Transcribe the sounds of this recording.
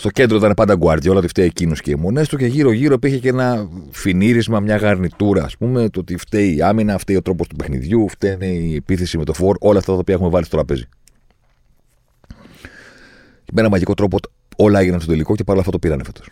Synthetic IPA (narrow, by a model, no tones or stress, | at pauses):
st̪oce̞nd̪ɾot̪t̪inepɐnd̪ɐɡuɐɾðʝɐolɐot̪ift̪eiecinoscḛmo̞ne̞st̪uce̞ʝiɾo̞ʝiɾoipiɾçecenɐfiniɾizmɐmɲɐɣɐɾnit̪uɾɐːspumet̪oot̪ift̪eiɐminɐft̪eio̞t̪ɾo̞po̞st̪upe̞xnḭðʝuft̪eineiepiθe̞simet̪o̞fo̞ɾʔo̞lɐːft̪ɐt̪ɐopiɐexume̞vɐlist̪ot̪ɾɐpezi | meenɐmɐʝiko̞t̪ɾo̞pot̪ | o̞lɐeʝinɐnst̪ot̪eliko̞cepɐɾlɐft̪ɐt̪opiɾɐnefet̪os